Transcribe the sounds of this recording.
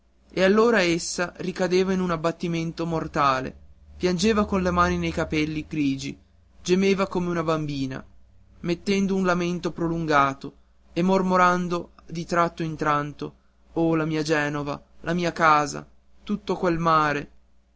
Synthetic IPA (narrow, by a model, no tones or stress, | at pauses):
ealːoːɾaesːarikad̪eːvainunabːat̪ːiment̪omort̪aːlḛpjand͡ʒeːvakonlemaːninejkapɛlːiɡɾiːd͡ʒḭ | d͡ʒemeːvakomeunabambiːna̰ | met̪ːɛnd̪ounlament̪opɾoluŋɡaːt̪o | emːormoɾand̪od̪it̪ɾat̪ːoint̪ɾant̪o | olamiːad͡ʒɛːnova̰lʔamiːakaːza̰ | t̪ut̪ːokwelmaːɾe